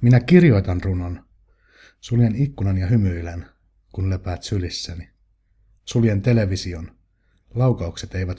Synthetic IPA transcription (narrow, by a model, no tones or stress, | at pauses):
minækirjo̞jt̪ɑnrunon | suljenikːunɑnjɑɦymyilæn | kunlepæːt̪sylisːæni | suljent̪e̞le̞ʋisio̞n | lɑwkɑukset̪eiʋæt̪